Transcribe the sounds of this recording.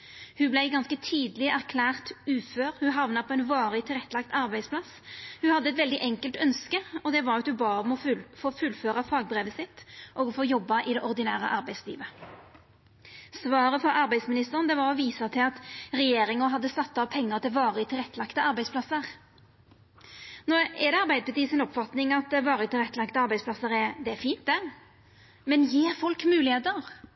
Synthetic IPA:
hʉblæɪɡɑnskət̪ʰiːd̪lɪʔæʁkʰlæːʁt̪ʉføːʁhʉɦɑʋnɑpʰoːɛɪnʋɑːʁəɪt̪ʰɪlʁɛt̪ːəlɑk̚t̪ɑʁbæɪd̪spʰlɑs | hʉhɑd̪ːəɛt̪ʋɛld̪ɪʔɛŋkəlt̪œnskəɔd̪ɛʋɑʁɑt̪hʉbɑːʁəɔmɔfoːfʉlføːʁɑfɑːɡ̚bʁeːʋəsɪt̪ʔɔɡɔfoːjɔbːɑʔɪd̪ɛʔɔʁd̪ɪnæːʁə̰ʔɑʁbæɪslḭːʋə | sʋɑːɾəfɔɾɑɾbæɪsmɪnɪst̪əʁnd̪ɛʋɑʁɔʋiːsɑt̪ʰɪlɑt̪ɾɛjeːɾɪŋɔɦɑd̪ːəst̪ɑt̪ːɑʋpʰɛŋːəʁt̪ʰɪlʋɑːʁəɪt̪ʰɪlʁɛt̪ːəlɑkt̪əɑɾbæɪdspʰlɑsəʁ | nɔɛd̪ɛɑʁbæɪd̪̚pʰɑt̪iːsɪnɔpfɑt̪nɪŋɑt̪̚d̪ɛʋɑːʁət̪ʰɪlʁɛt̪ːəlɑkt̪əɑɾbæɪspʰlɑsəɾɛd̪ɛæfiːnt̪̚d̪æʁ | mɛnjeːɾfɔlkmʉːlɪheːt̪əʁ

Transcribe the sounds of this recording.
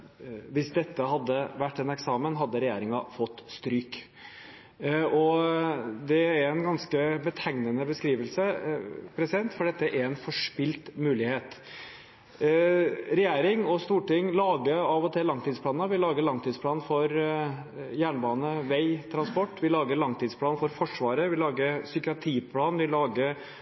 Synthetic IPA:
ʋɪsd̪ɛt̪ːəhɑd̪ːəʋæʈːɛnɛksɑːmənɦɑd̪ːəɾɛjeːɾɪŋɑfɔt̪ːst̪ɾyːk | ɔ | d̪ɛæɾɛnɡɑnskəbət̪ʰæŋnənəbəskɾiːʋəlsəpʰɾɛsɪd̪ɛnt̪fɔɖɛt̪ːəʔæɾɛnfɔʂpɪlt̪mʉːlɪheːt̪ | ɾɛjæːɾɪŋɔst̪uːʈɪŋːlɑːɡəɑːʋɔt̪ʰɛlɑŋt̪ʰiːd̪splɑːnəʋɪlɑːɡəɭɑŋt̪ʰid̪spʰlɑːn̩fɔɾ | jæːɳbɑːnəʋæɪt̪ʰɾɑnspɔʈːʋɪlɑːɡəɭɑŋt̪ʰiːd̪spʰlɑːnfɔɾfɔʂʋɑːɾəʋɪlɑːɡəsʏkɪɑt̪ʰiːpʰlɑːnʋɪlɑːɡəɾ

